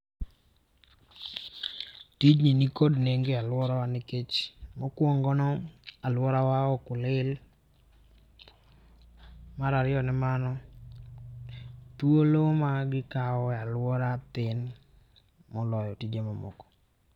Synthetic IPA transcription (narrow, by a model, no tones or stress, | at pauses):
tid͡ʒninikodneŋɡealwɔɾawanɪket͡ʃmɔkwoŋɡɔnɔalwɔɾawaɔkʊlɪl | maɾaɾɪjɔnɪmanɔ | t̪wolomaɡɪkaɔalwɔɾat̪ɪn | mɔlɔjɔtid͡ʒemamɔ̰kɔ̥